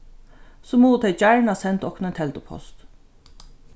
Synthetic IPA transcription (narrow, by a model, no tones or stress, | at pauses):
sɔmuːət̪ʰɛɪt͡ʃaɹɳasɛnt̪ɔknɛnt̪ʰɛlt̪ʊpʰɔ̰st̪